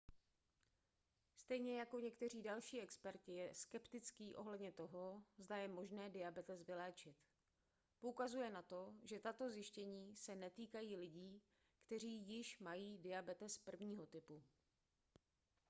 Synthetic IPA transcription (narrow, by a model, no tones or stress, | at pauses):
st̪ɛjɲɛjako̞ɲɛkt̪ɛr̝iːdalʃiːʔɛkspɛɾcɪjɛskɛpt̪ɪt͡skiːʔo̞̰ɦlɛdɲɛt̪o̞ɦo̞zdajɛmo̞ʒnɛːdɪabɛt̪ɛsvɪlɛːt͡ʃɪt̪ | poukazujɛnat̪o̞ʒɛt̪at̪o̞zjɪʃcɛɲiːsɛnɛt̪iːkajiːlɪɟiː | kt̪ɛr̝iːjɪʃmajiːdɪabɛt̪ɛspr̩vɲiːɦo̞t̪ɪpu